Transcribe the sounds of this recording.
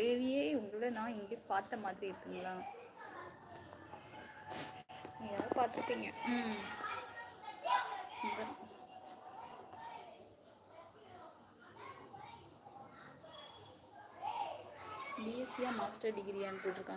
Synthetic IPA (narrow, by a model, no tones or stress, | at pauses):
eːʋɪjeːʊŋɡɐɭɭɐnãːɪŋɡɽipaːɾt̪ːɐmaːðɪɾiɪɾɯk̪ːɯŋɡɐlãː | ɪŋɡjaːɾɐpaːɾt̪ɯɾɯkːiːŋɡɐ | nd̪ɐ | biːɛsɪjaːmaːsʈɐɾɖɪɡɾijaːnpoːʈːɯɾɯkːãː